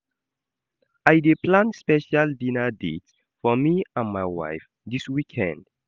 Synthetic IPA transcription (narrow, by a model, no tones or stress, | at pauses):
ajdeplãnspɛʃaldĩnədḛts | fɔmiãnmajwa̰jf | diswikʰɛ̰̃nd̥